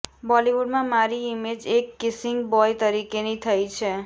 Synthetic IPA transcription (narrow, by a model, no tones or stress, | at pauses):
bʌliwuɖmamaɾiimed͡zekːisiŋɡbɔjt̪ʌɾikenʌjt̪ʰʌjt͡sʰʌ